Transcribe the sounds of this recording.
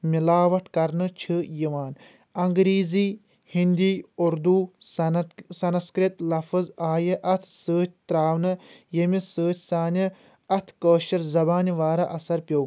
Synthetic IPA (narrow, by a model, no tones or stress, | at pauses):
milaːʋɐʈʰkɐɾnɨt͡ʃʰɨjiʋaːn | ɐŋɡɾiːziː | hind̪iːuɾd̪u | sɐnskɾit̪lɐfɨzaːjɐʔɐt̪ʰsəːt͡ʃʰt̪ɾaːʋnɨjɐmisɨːt͡ʃʰʲsaːni | ɐt̪ʰkəːʃɐɾzɐbaːniʋaːɾɐʔɐsɐɾpʲjɐw